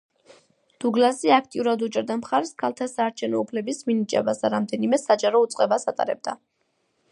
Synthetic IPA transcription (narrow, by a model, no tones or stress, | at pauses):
d̪̥uɡlasiak̚ʰt̪ʼiuɾad̪ut͡ʃʼɛɾd̪amχaɾɛskʰalˠt̪ʰasaːɾt͡ʃʰɛvnɔupʰlɛbisminit͡ʃʼɛ̰basd̪aɾamd̪ɛnimɛsad͡ʒaɾɔut̪sʼqʼɛbasat̪ʼa̰ɾɛ̰b̚d̪a